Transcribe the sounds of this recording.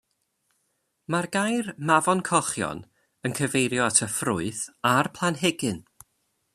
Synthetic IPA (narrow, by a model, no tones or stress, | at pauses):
marɡajrmavɔnkʰɔχjɔ̰n | ənkʰəvejɾjɔatʰəfrʊɨθarpʰl̥ˠanɦɛɡɪn